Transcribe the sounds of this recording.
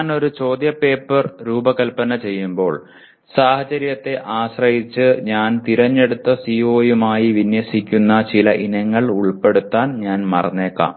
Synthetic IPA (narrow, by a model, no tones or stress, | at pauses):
no̞ɾut͡ɕo̞ːd̪jɐpe̞ːpːɐrɾuːbɐkɐlpɐnɐt͡ɕe̞jːumbo̞ːɭ | saːhɐt͡ɕɐɾjɐt̪ːe̞ʔaːɕrɐjit͡ɕːɨɲaːnt̪iɾɐɲːe̞ɽut̪ːɐsio̞ːjumaːjiʋinjɐsikʲːunːɐt͡ɕilɐʔinɐŋːɐɭuɭpe̞ɽut̪ːaːnɲaːnmɐrɐnːe̞ːkːa̰ːm